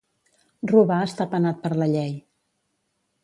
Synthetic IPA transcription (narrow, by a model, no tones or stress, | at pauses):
ruβaəst̪apənat̪̚pəɾləʎɛj